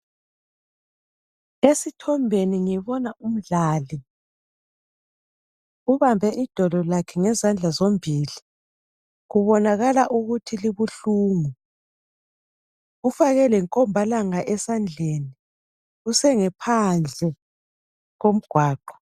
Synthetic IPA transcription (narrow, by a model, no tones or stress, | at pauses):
esitʰɔmbʱeniŋɛβɔnaʔum̩ɮaːli | uβambʱɛʔid̥ʱɔlɔlakʰɛŋɛzand͡ɮʱazombʱiːli | ɣuβɔnaɣalaʔuɣutʰiliβuɬuːŋu | ɣufaɣɛlɛŋkʼɔmbʱalaŋaʔɛsand͡ɮʱeːni | usɛŋɛpʰand͡ɮʱɛ | ɣom̩ɡ̥ʱwaːǃɔ̥